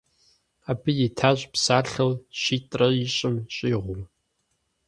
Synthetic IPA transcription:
aːbɨjitʰaːʑʼpsaːɬɐwɕiːtʼrɐiɕʼɪmɕʼiːʁʷʊm

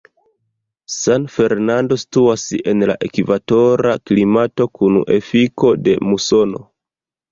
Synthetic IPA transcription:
sanfe̞ɾnando̞si̥tuase̞nla̰ʔe̞kivato̞ɾaklimato̞kun̰ʔe̞̰fiko̞de̞muso̞no̞̰

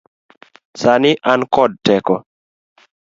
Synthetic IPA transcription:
saniʔankɔd̚tɛkɔ

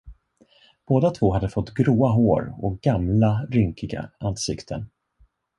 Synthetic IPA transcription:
b̥oːd̪at̪ʰvoːɦad̪ːəfɔt̪ːɡɾuːaɦoːɾɔk̚ɡ̥amlaɾʏŋkɪɡa̰ʔansɪkt̪ʰən

